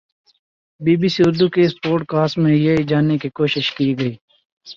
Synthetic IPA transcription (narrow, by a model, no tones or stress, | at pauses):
biːbiːsiʊɾd̪ukespoːɾʈ̚kaːsʈmẽjɐid͡ʒaːnːekikoːʃɪʃkiːɡəiː